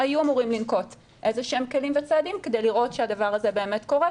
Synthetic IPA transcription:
ajuamuʁimlinko̞t | ʔe̞zeʃemkelimvet͡saːdimked̪e̞jliʁʔo̞tʃeadavaʁaze̞beːme̞tko̞ʁe

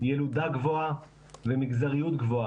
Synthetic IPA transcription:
jelud̪aɡvo̞a | vemiɡzaʁijut̪ɡvo̞a

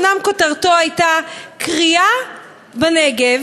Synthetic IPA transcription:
namkotaʁto̞ajtakʁia | beneɡev

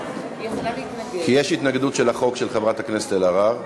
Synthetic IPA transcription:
kijeʃit̪naɡd̪utʃelaχo̞kʃelχevʁat̪haknesetelaʁaʁ

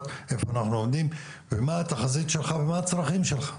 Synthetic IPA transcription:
t̪efoanaχnuomd̪im | vemaat̪aχazit̪ʃelχavemaat͡sɾaχimʃelχḁ

